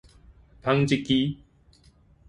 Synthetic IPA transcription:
pʰa˦ŋt͡ɕi˦˧kːi˦

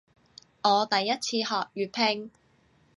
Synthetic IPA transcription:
ŋɔː˨˧t̪ɐ˨jːɐ˥t̚t͡sʰiː˧hɔː˨k̚jyː˨˩t̚pʰe˧ŋ

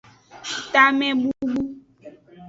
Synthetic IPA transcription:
t̪a˦mɛ̃˦bu˦bu˦

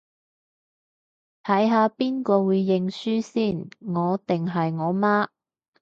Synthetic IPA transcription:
t̪ʰɐ˨˥jɦaː˨˧piː˥nkɔː˧wuː˨˧jːɪ˨˧ŋsyː˥siː˥˩nŋɔː˨˧t̪ɪ˨ŋɦɐ˨jŋɔː˨˧maː˥

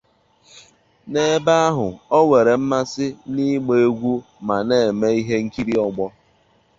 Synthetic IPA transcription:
ne˨˦ba˦a˦ɦʊ˨ɔ˦we˨ɾe˨m̩˦ma˦sɪ˦ni˦ɡ͡be˨e˦ɡʷu˦ | ma˨ne˨me˦i˦ɦe˦ŋ̩˦ki˦ɾi˦ɔ˦ɡ͡bɔ˦

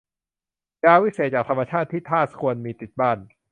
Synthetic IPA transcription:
jaː˧wi˦˥seː˨˩t̪̚t͡ɕaː˨˩k̚t̪ʰa˧mːa˧t͡ɕʰaː˥˩t̪ʰːiː˥˩t̪ʰaː˥˩t̪̚kʰu˧ənmiː˧t̪i˨˩t̪̚baː˥˩n

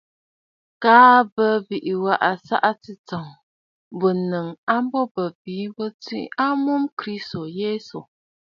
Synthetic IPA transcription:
kaː˨˦bə˦bi˨ʔi˨wa˦˨ʔa˨sa̰˦ʔa˦t͡sɨ˦t͡sɔ˨ŋ | bə˨nɨ˨ŋa˦m˦bɔ˦bə˨bi˨˦bə˦t͡sḭ˦a˦mu˦mkɾi˦sto˨jeː˦so˨

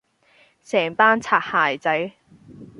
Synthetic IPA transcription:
sɛː˨˩ŋt̪aː˥nt͡sʰaː˨˩k̚haː˨˩jt͡sɐ˨˥j

